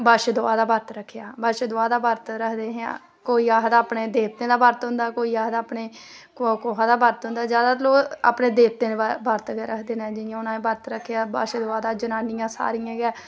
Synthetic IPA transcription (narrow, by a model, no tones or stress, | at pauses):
bəʃd̪ʊaːd̪aːbəɾt̪ɾəkʰːejaːbəʃd̪ʊaːd̪aːbəɾt̪ɾəkʰd̪eːɦã̰ː | koːiːaːɦd̪aːpɳeːd̪eːpt̪ẽːd̪aːbəɾt̪ɦʊ̃nd̪aːkoːiːaːɦd̪aːpɳeː | kkoːɦãːd̪aːbəɾt̪ɦʊ̃nd̪aːd͡ʒjaːd̪aːloːa̰ːpneːd̪eːpt̪ẽːbəɾt̪ɡɾəkʰd̪eːnɛ̃ːd͡ʒɪjãːʊnãːẽːbəɾt̪ɾəkʰːjaːbə̰ʃd̪ʊaːd̪aːd͡ʒənaːnijãːsa̰ːɾijãːɡɛː